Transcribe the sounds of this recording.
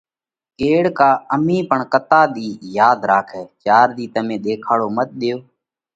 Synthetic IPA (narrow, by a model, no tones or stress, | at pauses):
keːɽkaːəmĩːpəɳkət̪aːɗ̪iːjaːd̪ɾaːkʰɛːt͡ʃaːɾd̪iːt̪əmẽːɗ̪eːkʰaːɽoːmət̪̚ɗɪjoː